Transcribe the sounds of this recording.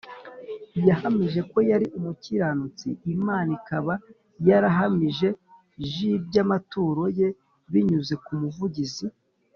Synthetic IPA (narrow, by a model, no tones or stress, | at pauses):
jahamiʒe̞ko̞jaɾiʔumuciɾanut͡sḭimaːnikaβa | jaɾaɦamiʒe̞ | ʒibɟamatuːɾo̞je̞ | βiɲuze̞kumuvuɟizi